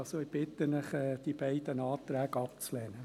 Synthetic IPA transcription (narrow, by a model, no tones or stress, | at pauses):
soɪb̥ɪt̪ːənɪχɛːd̪̥ib̥æɪd̪ənɑːt̪ɾæːɡɑpt͡slɛːnə